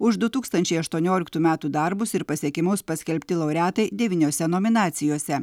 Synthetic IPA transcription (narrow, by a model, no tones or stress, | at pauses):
ʊʃd̪ʊt̪uːkst̪ɐnʲt͡ʃʲɛɪɐʃt̪uɔnʲoːlʲɪk̚t̪uːmʲæːt̪uːd̪ɐɾbʊsɪɾpɐsʲiɛkʲɪmʊspɐsʲkʲɛlʲpʲt̪ʲɪlˠɐʊɾʲæːt̪ɐɪd̪ʲɛʋʲiːnʲoːsʲɛnoːmʲɪnɑːt̪sʲɪjoːsʲɛ